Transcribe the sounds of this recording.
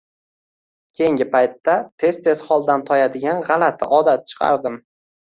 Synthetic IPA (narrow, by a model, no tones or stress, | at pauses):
kʲʰe̞jɪŋɡʲɪpʰajt̪ːat̪ʰe̞st̪ʰe̞zχɒlˠd̪ant̪ʰɒjad̪ɪɡʲanʁɑlat̪ʰɪɒd̪at̪̚t͡ʃʰɨ̥qʰɑ̰ɾd̪ɪm